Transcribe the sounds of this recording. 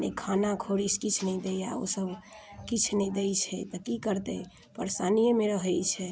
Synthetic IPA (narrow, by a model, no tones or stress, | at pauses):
nḛkʰanakʰoɾiskit͡ʃʰnɛd̪ɛa̰o̰səb | kit͡ʃʰnɛd̪ɛjt͡ʃʰɛ̰t̪ɔkikəɾt̪ɛ̰ | pəɾsanijəmeɾəɦɛjt͡ʃʰɛ